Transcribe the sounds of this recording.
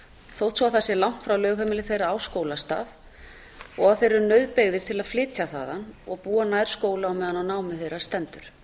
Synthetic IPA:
θowht̪sɔawθasɛlawŋ̥t̪fɾawlœːɣhœmɪlɪθejɾaaːwskoːwlast̪a̰ːf | ɔɣaðθejɾʏɾnœɥðpeɣðɪɾ̥t̪ʰɪlaðflɪːt̪ʰjaθa̰ːðanɔɣpuːanaːjɾ̥skoːwlaawmɛːðanawnaːwmɪθejɾḁst̪ɛnt̪ʏɾ̥

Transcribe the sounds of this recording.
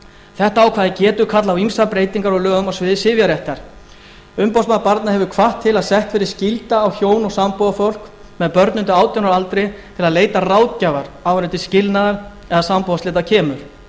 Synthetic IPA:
θɛht̪aːwkʰvaːðɪcɛːt̪ʏkʰat̪lawimsapɾeːjt̪iŋkaɾɔlœːɣʏmasvɪðɪsɪːvjaɾɛht̪aɾ̥ | ʏmpawsmanpaɾt̪nahɛvʏkʰvaht̪ʰːɪlaðsɛht̪fɪɾɪɾ̥scɪlt̪aːwçjoːwnɔɣsampowafowl̥k | mɛðpœɾt̪nʏnt̪ʏaːwt̪jɔnaɾalt̪ɾɪt̪ʰɪlaðleːjt̪araːwt̪̚cajvaɾawvɾʏnt̪ɪscɪlnaðaɾ | ɛðasampoːwast̪lɪːt̪̬acʰɛːmʏɾ̥

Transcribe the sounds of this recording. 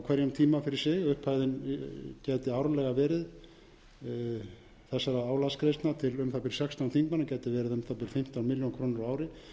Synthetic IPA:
awkʰɛɾjʏmt̪ʰiːmafɪɾɪɾ̥sɪɣʏhphaːjðɪncɛːt̪ɪawɾalɛɣavɛːɾɪð | θɛsːaɾaaːwlaskɾejst̪nat̪ʰɪlʏmθapɪɾ̥sjɛkst̪awnθiŋkmanːacɛːjt̪ɪvɛːɾɪðʏmθapɪɾ̥fɪm̥t̪awnmɪljɔnkʰɾoːnɪɾaaːwɾɪ

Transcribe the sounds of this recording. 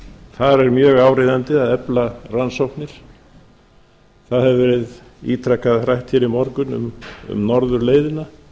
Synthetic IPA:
θaðɾɛɾmjœːɣaːwɾɪðant̪ɪaðɛplaransɔwhknɪɾ̥ | θaðhɛvvɛɾɪð | ḭːt̪ʰɾɛkːaðfɾajht̪çɪɾɪmɔɾkʏnʏ̰mʏ̰mnɔɾðʏɾleːjðɪna

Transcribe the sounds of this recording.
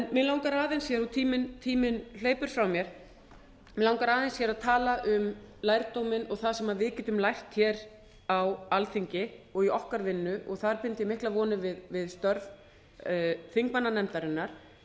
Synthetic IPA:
ɛnmɪlawŋkaɾaːðɛnsjɛɾat̪ʰiːmɪnt̪ʰiːmɪnl̥eːjpʏɾ̥fɾawmjɛɾ̥ | mɪlawŋkaɾaːðɛnsjɛɾaðt̪ʰaːlaʔʏmlajɾt̪owmɪnɔɣθaðsɛmaðvɪðcɛːt̪ʏmlajht̪çɛɾ | awalθiɲcɪɔɣiɔhkaɾvɪnːʏʔɔɣθaðɾpɪnt̪ɪmɪhklaðvɔːnɪvɪðvɪðst̪œɾv | θiŋkmanːanɛmt̪aɾɪnːaɾ̥

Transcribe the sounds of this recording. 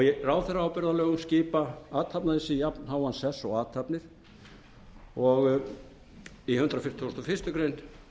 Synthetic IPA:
ɔjɛraːwθɛrːaawpɛɾðalœːɣʏmscɪːpaaːt̪ʰhapnaðɪsɪjapnhaːwansɛsɔɣaːt̪ʰapnɪɾ̥ | ɔɣ | ihʏnt̪ɾawfɪ̥t̪ʰɪɔst̪ɔfɪr̥st̪ʏkɾejn

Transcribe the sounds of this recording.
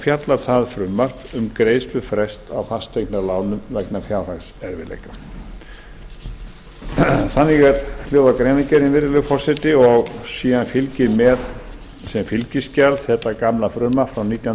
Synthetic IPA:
fjat̪laɾ̥θaðfɾʏmːar̥tʏmkɾeːjsp̪ʏfɾɛst̪awfast̪ʰejknalaːwnʏmvɛknafjaːwrasɛɾvɪ̰lḛjka | θanːɪɣɛɾljowðakɾejnɪcɛɾinvɪɾɪlʏfɔr̥sɛt̪ɪɔɣsiːɣanfɪlcɪɾmɛð | sɛmfɪlcɪscalθɛt̪ːakamlafɾʏmːafɾawniːt̪ja

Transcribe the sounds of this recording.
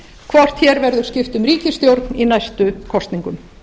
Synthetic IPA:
kʰvɔr̥t̪çɛːɾvɛɾðʏɾ̥scɪft̪ʏmɾiːcɪst̪jowɾt̪ninajst̪ʏkʰɔst̪niŋkʏm

